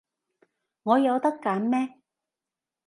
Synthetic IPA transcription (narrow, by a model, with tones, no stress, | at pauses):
ŋɔː˨˧jɐ˨˧wt̪ɐ˥kːɐ˨˧˥nmɛː˥